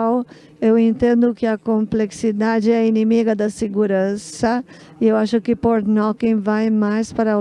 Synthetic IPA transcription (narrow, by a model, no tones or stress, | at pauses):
w | ewẽnt̪ẽnd̪ʊkɪɐkõmpleksid̪ad͡ʒɪɛɐinimiɡɐd̪ɐseɡuɾɐ̃sɐ | iewaʃʊkɪpoɾnɔkĩvajmajspaɾɐ